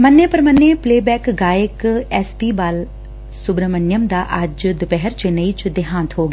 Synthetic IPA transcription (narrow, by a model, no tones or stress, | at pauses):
mənːeːpəɾmənːeːpleːbɛːkɡaːɪkɛːspiːbaːl | sʊbɾəmənjəmd̪aːʔəd͡ʒd̪ʊpɛɦəɾt͡ʃenəiːt͡ʃd̪ɪɦãːnt̪ɦoːɡeː